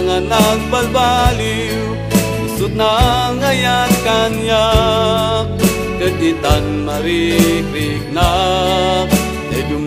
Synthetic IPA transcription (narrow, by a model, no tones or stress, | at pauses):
ŋanak̚balbali | usut̪̚naŋajat̪̚kanja | dək̚d̪it̪anmaɾik̚ɾik̚na | k | dad͡ʒum